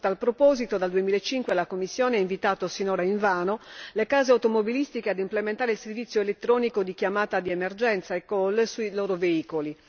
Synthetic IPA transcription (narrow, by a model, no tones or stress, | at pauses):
t̪alpɾopɔzit̪od̪ald̪uemiːlaet͡ʃːiŋkwelakomːisːjɔːneɛiɱvit̪aːt̪osinɔːɾaiɱvaːnolekaːzeawt̪omobilist̪ikead̪implement̪aːɾeilservit̪sːjoelet̪ːɾɔːnikod̪ikjamaːt̪ad̪iemerd͡ʒɛnt̪saekːɔlsuiloːɾoveiːkoli